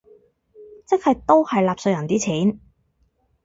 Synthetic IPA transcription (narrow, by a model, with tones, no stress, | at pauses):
t͡sɪ˥k̚hɐ˨˧jt̪o˥whɐ˨jlaː˨p̚sɵ˧jɐ˨˩nt̪iː˥t͡sʰiː˨˥n